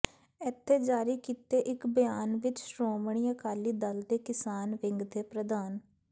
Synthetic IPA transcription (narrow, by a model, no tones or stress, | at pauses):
ɛt̪ʰːeːd͡ʒaːɾiːkiːt̪eːʔɪkbəjaːnʋɪt͡ʃsɾoːmɳ̃ɪjãːkaːliːd̪əld̪eːkɪsaːnʋɪ̃ŋɡd̪eːpɾəd̪aːn